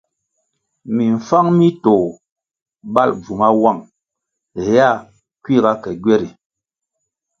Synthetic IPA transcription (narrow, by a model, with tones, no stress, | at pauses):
mi˨ɱ̩˨fa˦ŋmi˦to˨ | ba˦˨lb͡vu˨ŋa˦wa˦˨ŋ | ɛ˨ja˦˨ | kwi˦˨ɣa˦kɛ˨ɡɥɛ˦ɾi˨